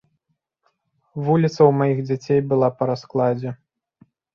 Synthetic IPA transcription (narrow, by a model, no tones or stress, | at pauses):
vulʲit̪sɐwmajiɣd͡zʲat͡sʲejbɨlˠapɐɾasklˠad͡zʲɛ